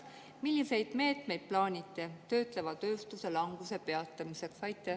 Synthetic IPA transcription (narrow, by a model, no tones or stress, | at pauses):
milʲːise̞jd̪̥me̞ːt̪ˑme̞jd̪̥̚plɑːnʲit̪ːˑet̪ø̞ːt̪ˑle̞vɑt̪ø̞ːst̪use̞lɑŋɡ̥use̞pe̞ɑt̪ːˑɑmise̞ksvɑjt̪ːˑe